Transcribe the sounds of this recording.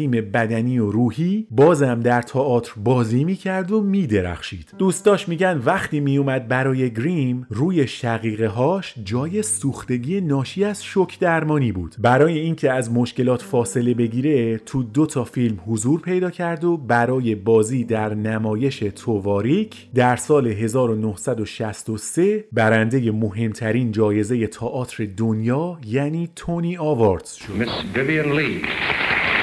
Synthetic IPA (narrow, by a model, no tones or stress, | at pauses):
iːme̞bæd̪æniːjoɾuːhiːbɒːzæmd̪æɾt̪ʰɒːɒːt̪ʰɾbɒːziːmiːcʰæɾd̪o̞miːd̪e̞ɾæ̰χʃiːd̪̥d̪̥uːst̪ɒːʃmiːɟænd̪væχt̪ʰiːmijumæd̪̚bæɾɒːje̞ɡɾimruːje̞ʃæɣiːɣe̞ɦɒːʃd͡ʒɒːje̞suːxt̪e̞ɟiːe̞nɒːʃiːæzʃocʰd̪æɾmɒːnibuːd̪̥bæɾɒːje̞iːncʰe̞æzmo̞ʃkce̞lɒːt̪ʰfɒːse̞le̞be̞ɡiːɾe̞t̪ʰud̪ot̪ʰɒːfilmhozuːɾpʰe̞jd̪ɒːcʰæɾd̪o̞bæɾɒːje̞bɒːziːd̪æɾnæmɒːje̞ʃe̞t̪ʰovɒːɾicʰd̪æɾsɒːle̞ɦe̞zɒːɾo̞nohsæd̪o̞ʃæst̪o̞se̞bæɾænd̪e̞je̞mo̞ɦe̞mt̪ʰæɾiːnd͡ʒɒːje̞ze̞je̞t̪ʰɒːʔɒːt̪ʰɾe̞d̪onjɒːjæniːt̪ʰoniɒːvɒɾd̪z̥ʃoɪsbɪviə̃nliː